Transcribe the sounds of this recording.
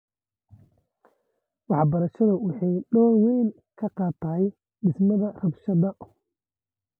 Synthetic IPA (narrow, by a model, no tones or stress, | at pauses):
wɑħbɐɾɐʃɐðʊwʊħɑjɗɔːwɛjn | kʰɐqɑːt̪ʰaːɛj | ɖɪsmɐðɐrɐbʃɐðɐ